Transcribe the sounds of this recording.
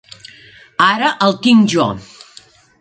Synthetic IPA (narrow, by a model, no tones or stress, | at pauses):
aɾəʔəlˠt̪iŋʒɔ̰